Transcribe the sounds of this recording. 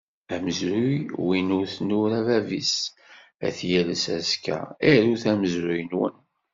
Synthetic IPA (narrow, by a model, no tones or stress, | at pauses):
æməzɾujwinʊɾθnʊɾævævis | æ̰θjæləsæskæ̰æɾuθæməzɾʊjnwə̰n